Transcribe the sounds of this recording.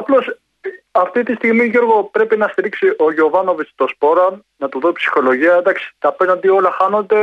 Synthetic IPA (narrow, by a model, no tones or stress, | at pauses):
ɐplo̞s | ɐft̪it̪ist̪iɣmiʝo̞ɾɣo̞pɾe̞pinɐst̪iɾiksiʔo̞ʝeovɐno̞vist̪ospo̞ɾɐn | nɐt̪uðopsi̥xo̞lo̞ʝiɐd̪ɐksi̥t̪ɐpenond̪io̞lɐxɐno̞nd̪e̞